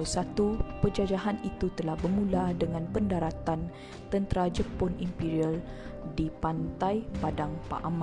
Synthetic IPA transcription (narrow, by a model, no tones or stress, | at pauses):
sat̪upəd͡ʒad͡ʒaɦanit̪ut̪əlahbərmũladəŋãnpəndaɾat̪an | t̪ənt̪ɾad͡ʒəpɔnimpiɾial | dipant̪ajpadaŋpa̰ʔamã